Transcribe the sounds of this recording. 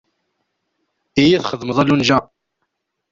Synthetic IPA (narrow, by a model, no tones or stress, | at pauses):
ijiθχəðməðˤælunʒæ